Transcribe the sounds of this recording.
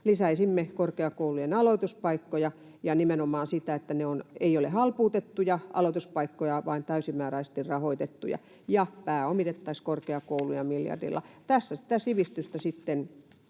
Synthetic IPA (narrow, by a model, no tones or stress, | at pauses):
lisæisimːekorkeɑkoulujenɑloit̪uspɑikːojɑ | jɑnimenomˑɑːnsit̪æet̪ːæneoneiolehɑlpuːt̪et̪ːujɑʔɑ̰loˑit̪uspɑikːojɑʋɑint̪æysimmæːɾæise̥s̆t̪irrɑhoit̪et̪ːujɑ̰ | jɑpæːomit̪et̪ːɑiskorkeɑkoulujɑmiljɑ̰rdḭlːɑ̰t̪æsːæsi̥t̪æsiʋist̪yst̪æsit̪ːen